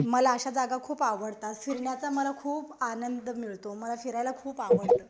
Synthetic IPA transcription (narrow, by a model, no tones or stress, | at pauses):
məlaəɕad͡zaɡakʰuːpaʋəɽt̪at̪fiɾɳjat͡saməlakʰuːpanənd̪ʱmiɭt̪oməlafiɾajlakʰuːpaʋəɽt̪əː